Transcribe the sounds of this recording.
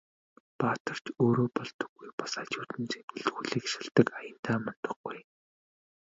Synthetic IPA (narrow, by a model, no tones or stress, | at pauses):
paːt̪ə̆r̥t͡ɕoːɾoːpɔɮt̪ɞ̥̆ɡːujpḁsat͡ɕuːt̪ɘ̆nt͡sem̥ɘ̆ɮt̪ɣuːɮiːkʃăɮt̪ə̆kajə̆nt̪ʰaːmɔn̥t̪ɞ̆χɡuj